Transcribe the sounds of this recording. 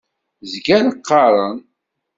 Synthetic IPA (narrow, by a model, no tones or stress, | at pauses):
zɡænəqːɑɾˤən